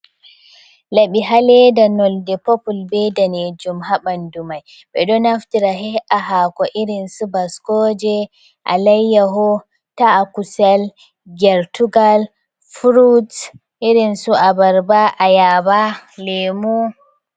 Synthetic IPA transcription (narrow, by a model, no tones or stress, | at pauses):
laɓiɦalɛdanɔldɛpɔpulbɛdanɛd͡ʒumɦaɓandumaj | ɓɛɗɔnaftiɾaɦɛʔaɦakɔʔiɾinsubaskɔd͡ʒɛ | ʔa̰lajːaɦɔ | taːkusɛl | ɡɛɾtuɡal | fɾud | ʔiɾinsuʔabaɾbaʔajabalɛmu